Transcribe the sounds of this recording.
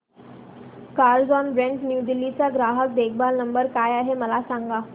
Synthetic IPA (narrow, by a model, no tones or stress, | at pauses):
kaɾd͡zɔnbɾẽɳʈnjud̪ilːit͡saɡɾaɦək̚d̪ekʰbalnəmbəɾkajaɦeməlasaŋɡa